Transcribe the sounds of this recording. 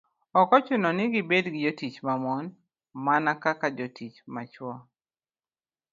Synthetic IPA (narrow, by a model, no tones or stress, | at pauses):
ɔkɔt͡ʃʊnɔnɪɡɪbedɡɪd͡ʒotit͡ʃmamɔn | manakakad͡ʒotit͡ʃmat͡ʃwɔ